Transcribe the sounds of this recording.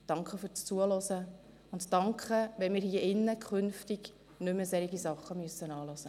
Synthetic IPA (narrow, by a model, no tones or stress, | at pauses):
d̥ɑŋkχəfyːɾt͡st͡suəlɔsə | ʊntdɑŋkχəʋɛnmɪːɾhiəʔɪnːəkʰχʏnftiɡ | nʏməsɛɾiɡisɑχːəmyəsːənɑːlɔsə